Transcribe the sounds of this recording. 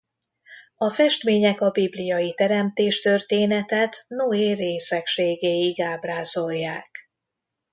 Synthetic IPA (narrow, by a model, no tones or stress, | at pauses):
ɒfɛʃt̪meːɲɛkɒbiblijɒjit̪ɛɾɛmt̪eːʃt̪ørt̪eːnɛt̪ɛt̪noeːreːsɛkʃeːɡeːiɡaːbraːzo̞jːaːk